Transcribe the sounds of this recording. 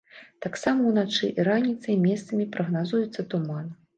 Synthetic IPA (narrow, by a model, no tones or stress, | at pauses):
t̪aksamɐwnat͡ʂɨʔiɾanʲit̪sɐimʲɛst̪sɐmʲipɾʔɐɣnazujut̪sːɐt̪uman